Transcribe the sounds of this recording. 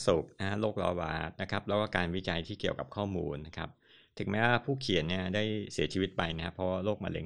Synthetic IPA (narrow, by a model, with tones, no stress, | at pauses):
su˨˩k̚na˦˥ha˦˥loː˥˩k̚lɔ̰ː˧˩waː˨˩t̪̚na˦˥kʰa˦˥p̚lːwkɔː˥˩kaː˧nwi˦˥t͡ɕa˧jt̪ʰiː˥˩ki˨˩əwka˨˩p̚kʰɔː˥˩muː˧nːa˦˥kʰa˦˥p̚ | t̪ʰɯ˨˩˦ŋmɛː˦˥waː˧pʰuː˥˩kʰi˨˩ənni˥˩ɐdaː˥˩jsi˨˩˦t͡ɕʰiː˧wi˦˥t̪̚pa˧jna˦kʰa˦˥pʰɾɔ˦˥waː˥˩loː˥˩k̚ma̰ː˧lḛ˧ŋ